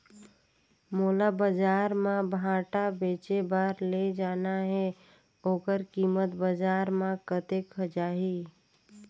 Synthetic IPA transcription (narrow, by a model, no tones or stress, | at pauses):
moːlabəd͡ʒaːɾmãbʱãːʈabeːt͡ʃebaːɾled͡ʒaːnaɦɛ | oːkəɾkiːmət̪bəd͡ʒaːɾmãkət̪ekʰəd͡ʒaːɦi